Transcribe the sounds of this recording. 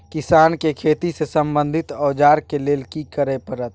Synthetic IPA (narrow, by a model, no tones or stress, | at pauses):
kisankekʰet̪isesəmbənd̪ʱit̪ɔːd͡ʒaɾkelelkikəɾɛpəɾət̪̚ʰ